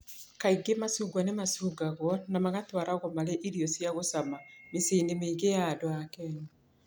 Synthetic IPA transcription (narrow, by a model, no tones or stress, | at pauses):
kaiɡemasuːɡwanemasuːɡaɣwɔnamaɣatwaɾaɣɔmaɾeʔiɾiɔsjaɣosamameseːndemeːɡejaːdoakɛnu